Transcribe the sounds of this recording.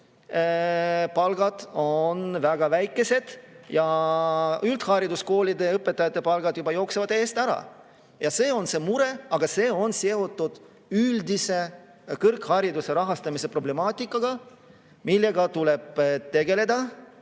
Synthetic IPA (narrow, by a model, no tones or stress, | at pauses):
pɑlɡɑd̪̥o̞nvæɡ̥ɑvæjkːˑe̞se̞d̪̥jɑ | ylt̪hɑɾid̪usko̞ːlid̪e̞ɤpˑːet̪ːˑɑjɑt̪ˑːe̞pɑlɡ̥ɑd̪̥jubɑjo̞ːksevɑd̪eːst̪æɾɑ̰ | jɑse̞ːo̞nse̞muɾe̞ɑɡ̥ɑse̞ːo̞nseot̪ˑːud̪̥ | yld̪ise | kɤrkhɑɾid̪use̞ɾɑɦɑst̪ɑmise̞pro̞ble̞mɑːt̪ʲːˑikːˑɑɡ̥ɑ | milːe̞ɡɑt̪ule̞b̥t̪e̞ɡe̞le̞d̪̥ɑ